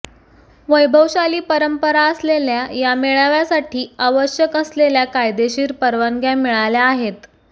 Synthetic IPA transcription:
ʋəjbʱəwɕaliːpəɾəmpəɾaəsleljajameɭaʋjasaʈʰiːaʋəɕjəkəsleljakajd̪eɕiːɾpəɾʋaŋɡʱjamiɭaljaːɦet̪

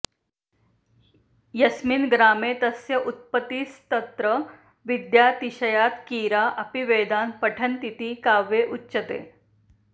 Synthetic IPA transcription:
jɐsminɡɾaːmeːt̪əsjɐʔut̪̚pət̪iːst̪ɐt̪ɾə | ʋid̪jat̪iɕɐjat̪kiːɾaʔɐpiʋeːd̪aːnpəʈʰənt̪it̪iːkaːʋeʔutːɕət̪ḛː

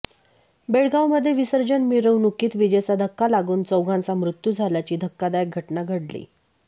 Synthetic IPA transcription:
beɽɡawməd̪ʱːjeʋisəɾd͡ʑənmiɾəwnukiːt̪ʋid͡ʑet͡sad̪ʱəkːalaɡuːnt͡səwɡʱãnt͡samɾut̪jud͡zʱaljat͡ɕiːd̪ʱəkːad̪ajek̚ɡʱəʈnaɡʱəɽlḭː

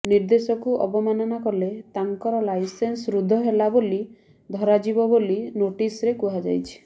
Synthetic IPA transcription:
niɾd̪esɔkuʔɔ̰bɔmanɔnakɔlet̪aŋkɔɾɔlajsensɾud̪ʱːɔɦelaboli | d̪ʱɔɾad͡ʒibɔbolinoʈisɾekuɦad͡ʒa̰jt͡ʃʰi̥

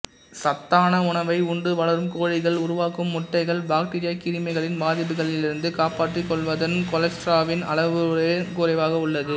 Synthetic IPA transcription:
sɐt̪ːaːnɐʊɳɐʋɐɪʊɳɖɯʋɐɭɐɾɯmkoːɻɪɣɐɭʊɾʊʋaːkːɯmːʊʈːɐɪɣɐɭbaːk̚ʈɪːɾɪjɐkːɪɾɪmɐɪɣɐɭɪnbaːðɪp̬ːɯɣɐɭɪlɪɾɯnd̪ɯkaːpaːʈrɯkːɔɭʋɐðɐnkɔlɛsʈɾaːʋɪnɐ̰ɭɐʋɯkʊːɾɐɪʋaːɣɐʊɭːɐðɯ

